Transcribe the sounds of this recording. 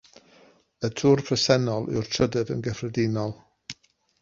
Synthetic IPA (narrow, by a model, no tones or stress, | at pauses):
ətʰurpʰrəsɛnɔlˠɪ̰wrtʰrədəvə̰nɡəfrədɪnɔlˠ